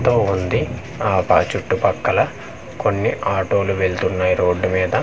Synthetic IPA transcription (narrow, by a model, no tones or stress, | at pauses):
t̪oːund̪i | aːpɐ̰t͡ʃuʈːupɐkːɐlɐ | ko̞nːiʔaːʈo̞ːluʋe̞ɭt̪unːaːjiɾo̞ːɖːumiːd̪ɐ